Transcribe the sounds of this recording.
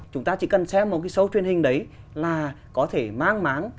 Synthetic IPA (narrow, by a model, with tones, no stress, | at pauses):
t͡ɕʊ˨˦ŋ͡mt̪aː˧t͡ɕḭ˧˩kə˨˩nsɛ˦˥p̚mo˨˩kaː˨˦jsə˨˦wt͡ɕwi˧ənhï˨˩ŋ̟ɗə˨˦j | laː˨˩ | kɔ˨˦t̪ʰe˧˩maː˧ŋmaː˨˦n